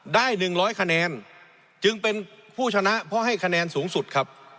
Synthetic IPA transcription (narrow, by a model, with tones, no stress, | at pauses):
daː˥˩jnɯ˨˩ŋɾɔː˦˥jkʰa˧nɛː˧n | t͡ɕɯ˧ŋpe˧npʰuː˥˩t͡ɕʰa˧na˦˥ʔpʰɔ˦˥ɦa˥˩jkʰa˧nɛː˧nsuː˩˦ŋsu˨˩t̪̚kʰa˦˥p̚